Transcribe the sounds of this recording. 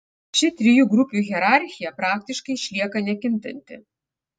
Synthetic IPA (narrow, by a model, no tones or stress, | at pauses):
t͡ʃʲɪt̪ʲɾʲɪjuːɡɾʊpʲuːɣʲɛɾɑɾʲxʲɪjɛpɾɑːk̚t̪ʲɪʃkɐɪʃʲlʲiɛkɐnʲɛkʲɪnʲt̪ʲɐ̰nʲt̪ʲɪ̰